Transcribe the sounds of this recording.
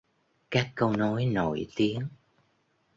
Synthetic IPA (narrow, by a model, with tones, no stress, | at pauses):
kaː˦˥kːə˧wno˨˦jno̰˧˨jt̪i˨˦əŋ